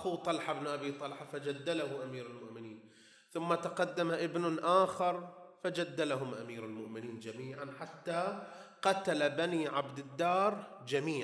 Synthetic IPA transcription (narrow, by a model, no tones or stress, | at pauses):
ʔaxuːt̪ˤɑlħabnʔabiːt̪ˤɑlħafad͡ʒad̪ːalahʊʔamiːɾalmʊʔmɪniːn | θʊmːat̪aqɑd̪ːamaʔɪbnʊnʔaːxɑɾˤfad͡ʒad̪ːalaɦʊmʔamiːɾalmʊʔmɪniːnd͡ʒamiːʕanħat̪ːaqɑt̪alabaniːʕabd̪ɪd̪ːɑːɾˤ | d͡ʒamiːʕ